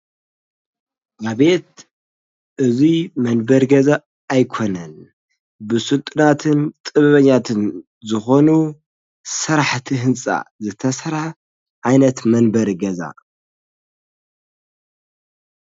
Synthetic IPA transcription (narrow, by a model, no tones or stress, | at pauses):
ʔaβe̞t̪̚ | ʔɨzimɐnbɐɾɡɐzaː | jkʰo̞nɐn | bɨsɨlt̪ʼɨnat̪ʰɨnt̪ʼɨβɐβɐɲːat̪ʰɨn | zɨxo̞nu | sɨɾaħt̪ʰiɦɨnsʼa̰zɨt̪ʰɐsɐɾħ | ʕajnɐt̪mɐnbɐɾɡɐza̰